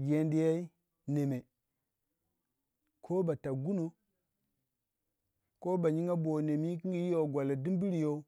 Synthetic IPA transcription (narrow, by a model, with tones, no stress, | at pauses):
ɡe˨ndi˨ja˦i˦ | ne˨me˨ | kʰo˦ba˨ta˨ɡu˦no˨ | ko˦ba˨ɲi˦ŋa˦bo˨ne˨mi˦ki˦ɡi˦ji˦jo˦˨ɡʷa˨la˨di˦m˦bi˦ɾi˨jo˦